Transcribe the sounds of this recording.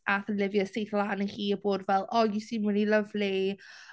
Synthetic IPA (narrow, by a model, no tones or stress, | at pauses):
aθənlɪvjəsejθlˠaːnəhiːəboːdvɛlˠɔjusinwɪniləvli